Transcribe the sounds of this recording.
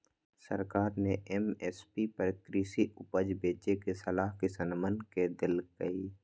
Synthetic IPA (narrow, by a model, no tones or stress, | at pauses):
sə̰ɾkaːɾneʔeːmɛːspipəɾkɾisiʊpəd͡ʒbeːt͡ʃekesəlaːɦkisənmənked̪ɪlkəiː